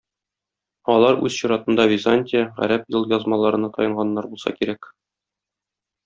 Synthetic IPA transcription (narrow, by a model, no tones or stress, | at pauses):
ɒlˠɑɾʉ̰zɕuɾɑt̪ɤ̆nd̪ɑvʲɪzanʲt̪ʲɪjəʁæ̰ɾæpjɤlˠjɒzmɑlˠɑɾɤ̆nɑt̪ʰɒ̰jɤ̆ɴʁɑnːɑɾbulˠsɑ̰kiɾæk